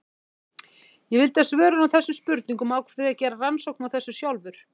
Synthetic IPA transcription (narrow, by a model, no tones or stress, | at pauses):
jɛvɪlt̪asvɛːɾʏnawθɛsːʏmspʏɾt̪niŋkʏmaːwkvɛ̥acɛːɾaransowk̚nawθɛsːʏsjawlvʏɾ̥